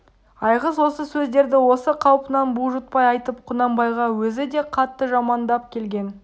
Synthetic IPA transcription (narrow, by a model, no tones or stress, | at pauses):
ɑjʁəzwo̞səsɵzd̪e̞ɾd̪ɪwo̞səqʰɑwpənɑnbuʒʊt̪̚pɑjɑjt̪əp̚qʰʊnɑmbɑjʁɑwɵzɪd̪e̞qʰɑt̪ːəʒɑmɑnd̪ɑp̚kʲʰe̞lɡʲe̞n